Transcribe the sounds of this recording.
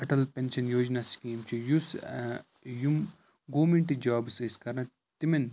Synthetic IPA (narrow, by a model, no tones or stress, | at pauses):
ɐʈɐlpʲenʃɐnjoːd͡ʒnaskiːmt͡ʃʰijus | jum | ɡoːmeɳʈid͡ʒaːbsiskɐɾnɐ | t̪imɐn